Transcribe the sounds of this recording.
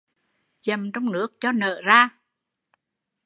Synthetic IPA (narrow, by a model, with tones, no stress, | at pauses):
t͡ɕə˨˩mt͡ɕɔ˧wŋ͡mnɨ˦˥ək̚t͡ɕɔ˧nə̰ː˧˨zaː˧